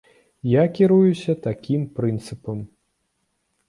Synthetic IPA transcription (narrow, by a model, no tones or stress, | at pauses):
jakʲiɾujusʲɐt̪akʲimpɾɨnt̪sɨpɐm